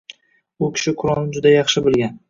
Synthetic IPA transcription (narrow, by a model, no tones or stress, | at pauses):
ʊkʲʰɪ̥ʃɪkʰʊɾɒlˠɪd͡ʒʊd̪ajɑχʃɪbɪlɡʲan